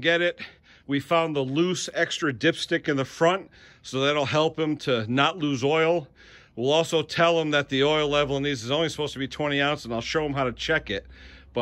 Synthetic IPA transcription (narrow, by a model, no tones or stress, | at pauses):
ɡɛɾɪt̚ | wifãʊ̃nðəlusɛkstɹ̥ɨdɪpstɪkɨ̃nðəfɹʌ̃nt̚ | soʊðɨɾɨl̩ˠɦɛlˠpɨ̃mtʰɨnətˡluzɔɪl̩ˠ | wilˠɔlˠsoʊtʰɛlˠə̃mðɨt̪̚ðiɔɪlˠlɛvl̩ˠə̃nizɨzõʊ̃nlisə̥poʊstʰɨbitʰw̥ɛ̃ɾ̃iãʊ̃ntsnaɪlˠʃoʊə̃mɦaʊɾɨt͡ʃʰɛkɪt̚b̥ʌ